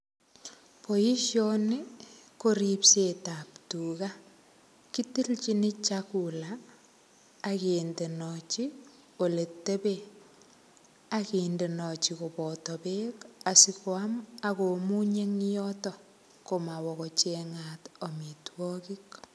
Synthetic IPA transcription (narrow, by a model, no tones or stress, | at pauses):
poiʃjɔnikoɾipsetaptuɣa | kitilt͡ʃinit͡ʃakula | kendenɔt͡ʃi | oletːebe | akindenɔt͡ʃikopɔtɔpekasikwamaɣomuɲeŋjɔtɔ | komawɔɣɔt͡ʃeŋatɔmitwɔkik